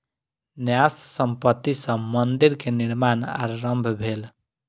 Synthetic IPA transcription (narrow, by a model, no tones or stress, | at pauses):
njassəmpət̪ːisə̃mənd̪iɾkeniɾmana̰ɾɾəmbʱbʱel